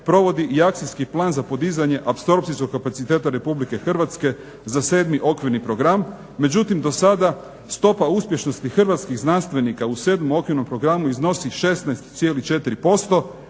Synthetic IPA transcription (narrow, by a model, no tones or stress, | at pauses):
pɾo̞ʋo̞d̪iʔiak̚t̪sijskiplˠaːnzapo̞d̪izaɲe̞ʔapso̞ɾp̚t̪sisko̞kkːapat̪sit̪e̞ːt̪aɾe̞publike̞xr̩ʋat̪ske̞ | zaseːd̪miʔo̞kʋiɾnipɾo̞ɡɾam | me̞d͡ʑut̪imd̪o̞sad̪a | st̪o̞pauspje̞ʃno̞st̪ixr̩ʋat̪skiɣznanst̪ʋe̞nikause̞ːd̪momo̞kʋiɾno̞mpɾo̞ɡɾamuizno̞siʃe̞st̪naest̪t̪sje̞ːlit͡ʃe̞t̪iɾipo̞st̪o̞